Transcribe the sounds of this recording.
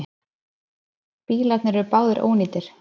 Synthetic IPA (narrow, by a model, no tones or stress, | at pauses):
piːlat̪nɪɾɛɾʏpaːwðɪɾʔo̰ːwniːt̪ɪɾ̥